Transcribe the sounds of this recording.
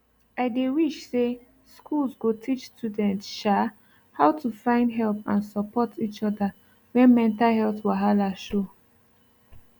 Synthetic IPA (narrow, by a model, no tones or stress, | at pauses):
aɪdewiʃse | skʰulzɡotʰit͡ʃstjudɛ̃ntʃa | haʊtʰufãɪ̃ndɦɛlpãnsɔpɔtʰit͡ʃɔda | wɛ̃nmɛ̃ntalɦɛlθwaɦalaʃo